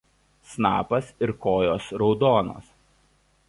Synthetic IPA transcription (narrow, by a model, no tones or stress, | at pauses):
snɑːpɐsɪɾkoːjoːsɾɒʊd̪oːno̰ːs